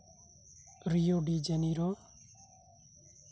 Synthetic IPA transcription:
ɾijoɖid͡ʒɛniɾɔ

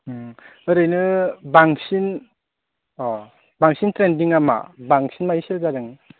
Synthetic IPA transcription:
ɯɾɯjnɯbaŋsin | ɔ | baŋsintɾendiŋama̰baŋsinmajisilɡadɯŋ

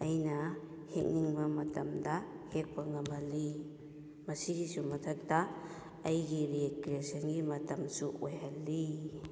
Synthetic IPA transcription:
ɐjnɐ | hek̚niŋbɐmɐtɐmdɐhek̚pɐŋɐmbʱɐlːi | mɐsiɡisumɐtʰɐk̚dɐː | jɡiɾikiɾesɐnɡimɐtɐmsuojɦɐlːi

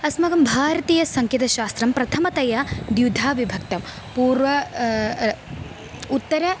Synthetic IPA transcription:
ɐsmɐɡɐmbʱaːɾɐt̪iːjɐsɐŋkjɐt̪ɐʃaːst̪ɾɐmpɾɐt̪ʰɐmɐt̪ɐjɐd̪jud̪ʱaːʋibʱɐk̚t̪ɐm | puːɾʋɐ | ut̪ːɐɾɐ

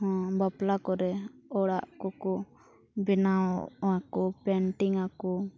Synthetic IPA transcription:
ɦɔ̃baplakɔɾɛɔɽaʔkɔkɔ | bɛnaɔakɔpɛɳʈiŋakɔ

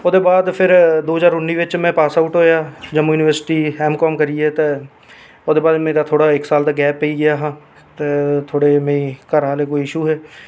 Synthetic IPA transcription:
oːd̪eːbaːd̪pʰɪɾd̪oːɦd͡ʒaːɾʊnːiːʋɪt͡ʃmɛ̃ːpaːsaːʈɦoːjaːd͡ʒəmjuːnɪʋəɾsɪ̥ʈiːɛːmkɔːmkəɾieːt̪eː | oːd̪eːbaːd̪mɛ̃ːd̪aːt̪ʰoːɽaːɪksaːlt̪aːɡɛːpːeiːɡɪjaːɦãː | t̪eːt̪ʰoːɽeːmẽĩːkəɾɦaːleːkoːiɪʃuːɦɛː

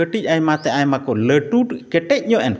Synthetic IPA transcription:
əʈic̚ajmat̪ɛajmakɔləʈuʈkɛʈɛc̚ɲɔʔɛn

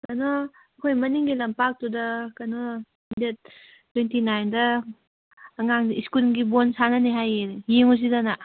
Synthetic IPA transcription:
kɐnɔ | ɐkʰojmɐniŋɡilɐmpak̚tudɐkɐnɔ | det̚ | twentinajndɐː | ŋaŋiskulɡibonsanɐniɦajjeŋus̬idana

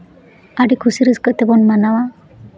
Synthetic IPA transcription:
aɖikʰusiɾɯskəʔt̪ɛbɔnmanawa

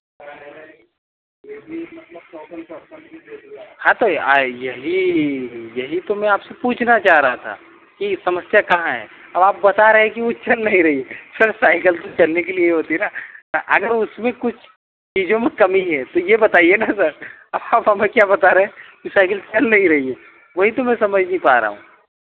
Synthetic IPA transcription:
t̪ː | hãt̪oajɐɦi | jɐɦit̪omɛ̃aːpsepuːt͡ʃʰnat͡ʃaːɦɾaɦat̪ʰa̰ | kisɐməsjakɐɦãɦɛ̰ː | ɐbaːp̚bɐt̪aɾɐɦẽkiʋot͡ʃɐlnɐɦĩɾɐɦiesɐɾsaːɪkəlt̪ot͡ʃɐlnekelieɦoːt̪iɦɛnasɐɾʔɐɡəɾʊsmẽkʊt͡ʃʰ | t͡ʃiːd͡ʒõmẽkɐmiɦɛt̪ojebɐt̪aːienasɐɾ | ɐbaːpɦɐmẽkjabɐt̪aɾɐɦẽkisaːɪkəlt͡ʃɐlnɐɦĩɾɐɦie | ʋɐɦit̪omẽsɐməd͡ʒʱneɦĩpaːɾa̰ːɦṵ̃ː

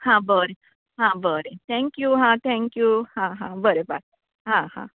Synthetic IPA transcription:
hãbəɾe | ɦãbəɾet̪ʰɛ̃ŋkjuɦãt̪ʰɛ̃ŋkjuhãɦãbəɾebak̚ | ɦãɦã̰

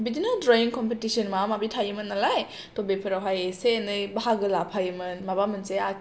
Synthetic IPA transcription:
bidinadɾajiŋkɔmpetisənmamabitʰajɯmɯnːalaj | tobepʰɯɾawɦajesenɯjbaɦaɡɯlapʰajɯmɯnmabamɯnsea

